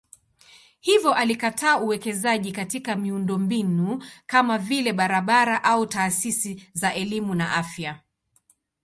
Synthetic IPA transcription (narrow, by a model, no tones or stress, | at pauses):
hivjɔʔalikatʰaːuwɛkɛzaʄikatikamiundɔmbinukamavilɛɓaɾaɓaɾaʔautaːsisizaʔɛlimunaʔafja